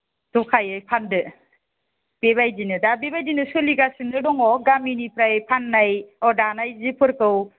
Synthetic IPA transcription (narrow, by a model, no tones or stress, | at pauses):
dɔkʰajɯjpʰandɯ | b̥ebajdinɯdabebajdinɯsɯliɡasindɯdɔŋɔɡaminipʰɾajpʰanːajɔdanajzipʰɯɾkɯw